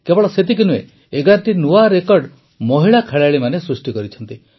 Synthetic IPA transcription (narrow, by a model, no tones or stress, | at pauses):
kebɔɭɔset̪ikinuḛː | ɡaɾʈinuaɾekɔɾɖ | mɔɦiɭakʰeɭaɭimanesɾusʈikɔɾit͡ʃʰɔnt̪i